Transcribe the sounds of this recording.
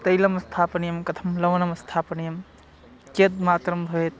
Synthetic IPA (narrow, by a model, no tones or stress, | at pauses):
t̪ɐjlɐmɐst̪ʰaːpɐnijɐmkɐt̪ʰɐmlɐwɐnɐmst̪ʰaːpɐnijɐm | ked̪̚maːt̪ɾɐmbʱɐet̪